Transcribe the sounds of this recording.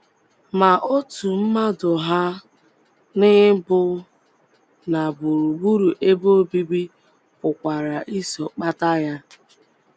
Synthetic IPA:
ma˨ʔo˦tu˨m̩˦ma˦dʊ˨ɦa˦ | nɪ˦bʊ˦ | na˨bu˨ɾu˨ɡ͡bu˦ɾu˨ʔe˦bo˦o˦bi˦bi˦ | ʊ˨kʷa˨ɾa˨ʔi˦sɔ˨k͡pa˦ta˦ja˦

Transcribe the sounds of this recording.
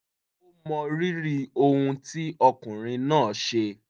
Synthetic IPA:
o˦mɔ̃˧ɾi˦ɾi˧o˧hũ˧ti˦ɔ˧kũ˨ɾ̃ĩ˧nãː˦˨ʃe˧

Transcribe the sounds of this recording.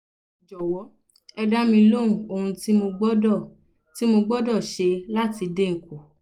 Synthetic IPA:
d͡ʒɔ˨wɔ˨˦ | ɛ˧da˦mĩ˧lo˦ũ˨o˧hũ˧ti˦mo˧ɡ͡bɔ˦dɔ˦˨ | ti˨˦mo˧ɡ͡bɔ˦dɔ˦˨ʃe˧la˦ti˧de˦ŋ̩˨ko˨

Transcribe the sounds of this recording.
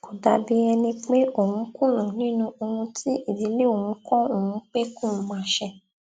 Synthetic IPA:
ko˨da˨bi˦ɛ˧nĩ˧k͡pe˦ʔo˦˨hũ˨˦kũ˦˨lã˨nĩ˦nũ˦o˧hũ˧tʰi˦ʔi˦˨di˨˦le˦˨o˨hũ˨˦kɔ̃˦o˨ũ˨˦k͡pe˦kũ˦˨˧mãː˦˧˦ʃɛ˧

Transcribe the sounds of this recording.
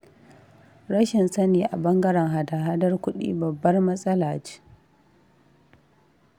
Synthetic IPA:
ɾɐ˦ʃɪ˨nsɐ˦niː˨ʔa˨bɐ˦ŋɡɐ˦ɽɐ˨ŋɦa˨daː˨ɦa˦dɐ˦rkʷʊ˦ɗḭː˦bɐ˨bːɐ˦rmɐ˦sʼɐ˦laː˨d͡ʒe̥ː˦

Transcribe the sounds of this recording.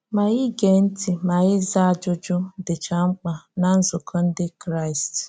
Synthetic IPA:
ma˨ɣi˦ɡe˨n̩˦ti˨ma˨ɣɪ˦za˦a˨d͡ʒʊ˦d͡ʒʊ˦dɪ˨t͡ʃa˨ŋ͡m̩˦k͡pa˨na˨n̩˦zʊ˨kʰɔ˦n̩˦dɪ˦kɾa˦˨ɪ˨st

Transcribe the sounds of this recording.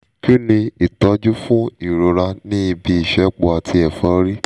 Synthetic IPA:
ki˦nĩ˧i˨tɔ˨˦d͡ʒu˦fũ˦i˨ɾo˨ɾa˧nĩ˦i˧bi˧˦i˦˨ʃɛ˨˦k͡po˧a˨tʰi˧ɛ˨fɔ̃˨˦ɾi˦

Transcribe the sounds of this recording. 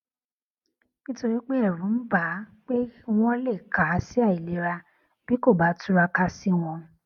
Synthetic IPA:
nĩ˦to˧ɾi˦k͡pe˦ɛ˦˨ɾũ˨˦n̩˦ba˨˦k͡pe˦w̃ɔ̃˦le˦˨ka˨˦si˦a˦˨i˨le˨˦ɾa˧ | b̥i˦ko˦˨ba˨˦tu˦ɾa˧ka˦si˦w̃ɔ̃˧

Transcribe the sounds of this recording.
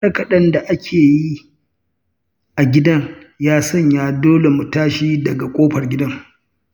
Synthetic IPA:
ɐ˦kɐ˦˨ɗɐ˦nda˨ʔa˦kʲʰeː˨ji˦ | ʔa˨ɡʲɪ˦dɐ˦ŋ | jaː˦sɔ˦ɲjaː˦doː˦le˨mʊ˨taː˦ʃiː˦dɐ˨ɡa˨kʷʼoː˦ɸɐ˨rɡʲɪ˦dɐ˦ŋ

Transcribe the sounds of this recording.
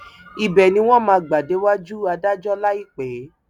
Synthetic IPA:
i˨bɛ˨nĩ˧˦w̃ɔ̃˦mãː˧ɡ͡ba˨de˨˦wa˦d͡ʒu˦˨a˧da˦d͡ʒɔ˦la˦i˦˨k͡pɛ˨˦

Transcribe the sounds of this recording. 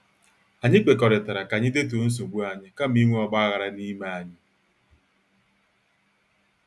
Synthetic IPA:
a˨ɲɪ˦k͡pe˨kɔ˨ɾɪ˨ta˨ɾa˨ka˨ɲɪ˦de˦to˨n̩˦s̬o˨ɡʷu˦a˨ɲɪ˦ka˦m̩i˦ŋʷu˦ɔ˨ɡ͡ba˦a˦ɣa˨ɾa˦ni˦ma˨a˨ɲɪ˦

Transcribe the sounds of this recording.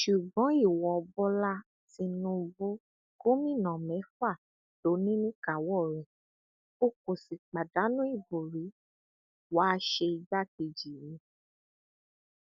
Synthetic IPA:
ʃu˨ɡ͡bɔ̃˨˦i˦˨wɔ˨ɔ˧bɔ˦la˦ | ti˧nũ˧bu˦ | ko˦mĩ˦˨nã˨mɛ̃˨˦fa˦˨ | lo˨˦nĩ˦nĩ˦ka˨wɔ˦˨ɾɛ˨ | o˦ko˨si˨k͡pa˨da˨˦nũ˦i˦˨bo˨ɾi˨˦ | wa˦ʃe˧i˧d͡ʒa˦˨k̚i˧˨d͡ʒi˨mĩ˧

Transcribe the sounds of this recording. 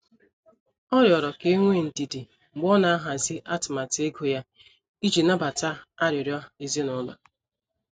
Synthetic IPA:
ɔ˦ɾjɔ˨ɾɔ˨ke˦ŋʷe˦˨n̩˨ti˨di˨ | ŋ͡m̩˨ɡ͡bɔ˦na˨a˦ɦa˨zi˦ʔa˦tɪ˨ma˨te˦ɡo˨ja˦ | i˦d͡ʒi˨na˦ba˨ta˦a˦ɾjʊ˨ɾjɔ˦i˨zi˦nʊ˦la̰˨

